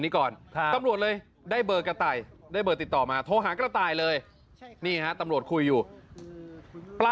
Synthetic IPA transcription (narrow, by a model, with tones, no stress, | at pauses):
niː˦˥kɔː˨˩na˧mɾu˨˩ət̪̚lɤː˧j | daː˥˩jbɤː˨˧kɾa˧t̪aː˨˩jdaː˥˩jbɤː˧˩k̚t̪i˨˩t̪ːɔː˨˩maː˧t̪ʰoː˧ɦaː˩˦kɾa˧t̪aː˨˩jlɤː˧j | niː˥˩kʰa˦˥ʔt̪a˧mɾu˨˩ət̚kʰu˧jːuː˨˩ | pla˧